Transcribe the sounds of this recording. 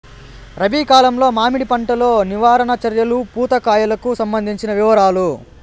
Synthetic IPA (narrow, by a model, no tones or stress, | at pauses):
ɾɐbiːkaːlɐmlo̞ːmaːmiɽipɐɳʈɐlo̞ːniʋaːɾɐnɐt͡ʃɐɾjɐlupuːt̪ɐkaːjɐlɐkusɐmbɐnd̪ʱiɲt͡ʃinɐʋiʋɐɾaːlu